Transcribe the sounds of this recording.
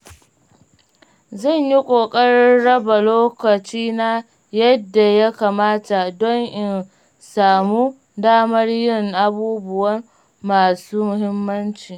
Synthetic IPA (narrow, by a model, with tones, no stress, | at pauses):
zɐ˦˨ɲji˦kʷʼoː˨kʼɐ˦rɽɐ˦ba˨loː˦kɐ˨t͡ʃiː˦na˦ | jɐ˦dːa˨ja˦kaː˨maː˦ta˨dɔ˦ŋʔɪ˨n | saː˨mu˦ | daː˦mɐ˦rjɪ˦˨ŋʔa˦buː˦bʊ˦˨wɐ˦m | maː˨suː˦mʊ˨hɪ˦mːɐ˦nt͡ʃiː˨